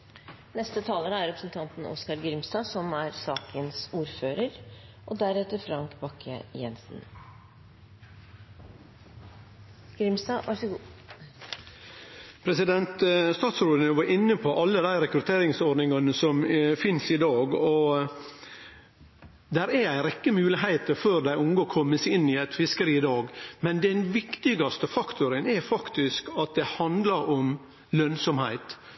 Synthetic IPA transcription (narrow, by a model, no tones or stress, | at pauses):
nɛst̪ət̪ʰɑːləɾəæɾɾɛpɾəsn̩t̪ʰɑnt̪n̩ʔɔ̰skɑɾɡɾɪmst̪ɑːsɔmæɾsɑːkʰənsuːɾføːɾəɾʔɔd̪æɾɛt̪əɾfɾɑŋkbɑkʰːə̰jɛ̰nsn̩ | ɡ̥ɾɪmst̪ɑːʋʔæʂəɡ | pʰɾɛsɪd̪ɛnt̪st̪ɑːt̪sɾoːd̪ənəʋɑɾʔɪnːəpʰɔʔɑlːəd̪æɪɾɛkɾʉt̪ʰeːɾɪŋsɔɖnɪŋɑnəsɔmfɪnsɪd̪ɑːɡɔ | d̪æɾææɪɾɛkːəmʉːlɪɦæɪt̪əɾføːɾd̪æɪʊŋɡokʰɔmːəsɪnːɪæt̪fɪskəɾiːɪd̪ɑːɡmɛnd̪ɛnʋɪkt̪ɪɡɑst̪əfɑkt̪ʊɾənɛɾfɑkt̪ɪskɑt̪̚d̪ɛhɑnd̪lɑɾɔm | lœnsɔmhæ̰ɪt̪